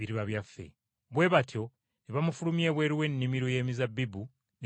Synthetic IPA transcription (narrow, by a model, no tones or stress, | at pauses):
iɾiβaβjafːe̞̰ | βwe̞ːβatʰjo̞ | neβamufulumje̞ːβweːɾiwe̞nːimiɾoje̞ːmizabibu | n